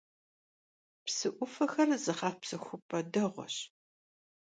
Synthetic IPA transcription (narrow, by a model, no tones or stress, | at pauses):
psɨʔʷʊfɐxɐrzɨχɑːfpsɐxʷʊpʼɐdɐʁʷɔ̰ɕ